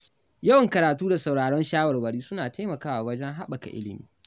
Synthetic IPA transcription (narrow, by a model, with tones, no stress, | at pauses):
jɐ˦wɐ˨ŋkɐ˨ɾaː˨tuː˦da˨sa˨wɽaː˨ɽɔ˦nʃaː˦wɐ˨rwɐ˨ɽiː˦sʊ˦naː˨ta˦jmɐ˨kaː˦waː˨wɐ˦d͡ʒɛ˦ŋɦa˦ɓɐ˨ka̰˨ʔɪ̰˦lɪ˨mḭː˦